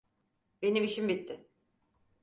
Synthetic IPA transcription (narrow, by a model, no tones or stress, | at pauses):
be̞nimiʃimbit̪ʰːɪ